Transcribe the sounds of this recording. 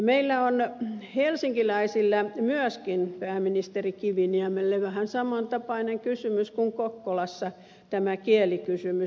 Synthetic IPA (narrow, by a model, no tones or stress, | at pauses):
meilːæonhelsiŋkilæisilːæmyøskinpæːminist̪erikiʋiniæmelːeʋæhænsɑmɑnt̪ɑpɑineŋkysymyskuŋkokːolɑsːɑ | t̪æmækielikysymy